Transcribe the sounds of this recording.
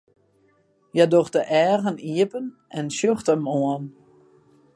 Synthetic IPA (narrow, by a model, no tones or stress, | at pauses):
jɛdoxtəʔɛːɣəniəpən | ʔɛnʃøχtəmoən